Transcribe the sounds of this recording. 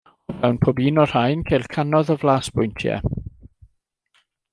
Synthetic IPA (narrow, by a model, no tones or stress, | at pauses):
ɔvɛwnpʰoːbiːnɔr̥ajnkʰejlˠkʰanɔðəvlˠaːsb̥ʊjntʰjɛ̰